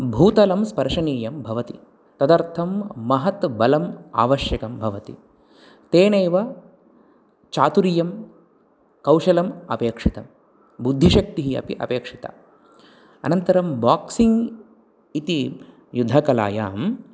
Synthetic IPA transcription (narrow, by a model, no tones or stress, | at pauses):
bʱuːt̪ɐlɐmspɐɾʂɐniːjɐmbʱɐʋɐt̪ḭ | t̪ɐd̪ɐɾt̪ʰɐmːɐɦɐt̪bɐlɐma̰ːʋɐʃjɐkɐmbʱɐʋɐt̪ḭ | t̪eːneːʋɐ | t͡ʃaːt̪uɾijɐm | kɐwʃɐlɐmɐpeːkʂit̪ɐm | bud̪ʱːiʃɐk̚t̪iɦiɐ̰pḭʔɐ̰peːkʂit̪ɐ̰ | ɐ̰nɐnt̪ɐɾɐmbaːksiŋɡ | it̪i | jud̪ʱːɐkɐla̰ːjaːm